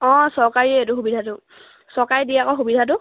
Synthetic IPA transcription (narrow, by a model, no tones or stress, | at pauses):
ɔ̃sɔɹkaɹiɛetʊxubidʱatʊ | sɔɹkaɹidiakɔxubidʱat̬ʊ